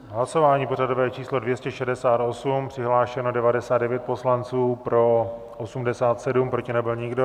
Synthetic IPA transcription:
ɦlaso̞vaːɲiːpo̞r̝adovɛːt͡ʃiːslo̞dvjɛscɛʃɛdɛsaːt̪o̞sumpr̝̥ɪɦlaːʃɛnodɛvadɛsaːd̪dɛvjɛt̪̚po̞slant͡suːpɾo̞ | ʔosumdɛsaːt̪sɛdumpɾo̞cɪnɛbɪlɲɪɡdo̞

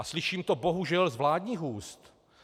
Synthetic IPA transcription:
ʔaslɪʃiːmt̪obo̞ɦuʒɛlzvlaːdɲiːɣɦuːst̪

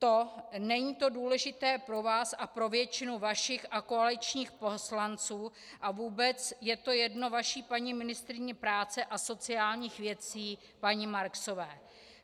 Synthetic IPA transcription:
t̪o̞nɛɲiːt̪o̞duːlɛʒɪt̪ɛːpɾo̞vaːsʔapɾo̞vjɛt͡ʃɪnuvaʃɪxʔako̞alɪt͡ʃɲiːxpo̞slant͡suː | ʔavuːbɛt͡sjɛt̪o̞jɛdno̞vaʃiːpaɲɪmɪnɪst̪ɾɪɲɪpɾaːt͡sɛʔaso̞t͡sɪaːlɲiːxvjɛt͡siː | paɲɪmaɾkso̞vɛː

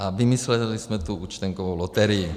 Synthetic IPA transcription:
ʔavimislɛlismɛt̪uʔut͡ʃt̪ɛŋkovowlot̪ɛɾɪji

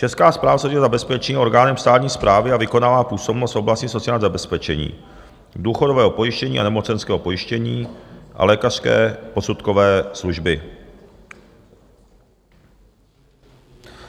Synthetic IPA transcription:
t͡ʃɛskaːspɾaːvasowɛzabɛspɛt͡ʃɲːʔo̞ɾɡaːnɛmst̪aːt̪ɲiːspɾʔaːvɪavɪko̞naːvaːpuːso̞bnost̪ʔoblascɲiso̞t͡sɪaːɲzabɛspɛt͡ʃɛɲḭː | duːxodovɛːɦo̞po̞jɪʃcɛɲiːʔa̰nɛmo̞t͡sɛnskɛːɦo̞po̞jɪʃcɛɲiːʔa̰lɛːkar̝̥skɛ̰ːpo̞sut̪kovɛːsluʒbɪ

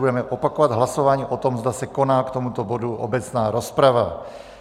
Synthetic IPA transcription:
udɛmɛʔopakovad̪ɦlaso̞vaːɲiːʔot̪o̞mzd̪asɛko̞naːkt̪omut̪o̞boduʔo̰bɛt͡snaːɾospɾava

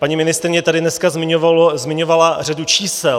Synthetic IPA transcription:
paɲimɪnɪst̪ɾɪɲɛt̪adɪdnɛskazmɪɲovzmɪɲo̞valar̝adut͡ʃiːsɛl

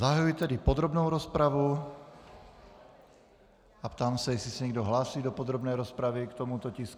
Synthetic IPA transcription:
zaɦajujt̪ɛdipod̪ɾobnowɾospɾavu | apt̪aːmsɛjɛsɪsɛɲɛɡd̪oɦlaːsiːd̪opod̪ɾobnɛjɾospɾaʋikt̪omut̪ocisku

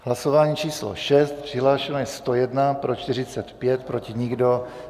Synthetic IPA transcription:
ɦlaso̞vaːɲiːt͡ʃiːslo̰ʃɛst̪pr̥ɪɦlaːʃɛnojɛst̪ojɛdnapɾo̞t͡ʃt̪ɪr̝ɪt͡sɛt̪pjɛt̪pɾo̞cɪɲɪɡdo̞

